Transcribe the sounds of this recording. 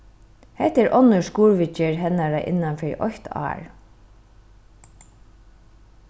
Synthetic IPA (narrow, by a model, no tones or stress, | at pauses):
hɛt̪ɛɹʔɔnəʂkuːɹʋɪt͡ʃɪɹɦɛnaɹaʔɪ̰nːanfɛɹ̰ʔɔ̰çt̪ʰɑ̰ːɹ